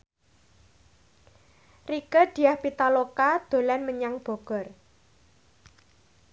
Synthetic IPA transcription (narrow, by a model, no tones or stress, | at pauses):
rikəd̪̥i̤ahpit̪alokad̪̥o̤lɛnməɲaŋb̥ɔ̤ɡ̥ɔ̤r